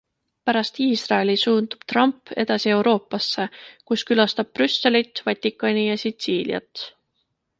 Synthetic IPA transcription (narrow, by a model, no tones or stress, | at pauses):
pæɾɑst̪iːsrɑe̞lisuːnd̪̥ub̥t̪rɑmpe̞̰d̪ɑsie̞wɾo̞ːpːˑɑsːe̞kuskylɑst̪ɑb̥̚prysːe̞lit̪ˑːvɑt̪ʲːˑikːˑɑnʲijɑsit̪siːliɑ̰t̪